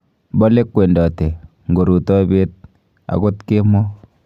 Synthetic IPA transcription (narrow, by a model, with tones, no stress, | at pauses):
bɔ˦le˦kwe˨ndɔ˨te˨ | ŋɡo˨ɾu˨tɔ˦be˦t̚ | a̰˨ko˦tke˦mɔ˦